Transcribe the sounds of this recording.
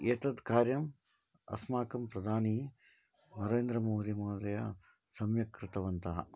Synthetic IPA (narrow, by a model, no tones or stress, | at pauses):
eːt̪ɐd̪ʱkaːɾjɐm | ɐ̰smaːkɐmpɾɐd̪ʱaːni | nɐɾeːnd̪ɾɐmoːɾimɐːd̪ɐjɐ̰ | sɐmjɐkɾɪt̪ɐʋɐnt̪ɐɦɐ̰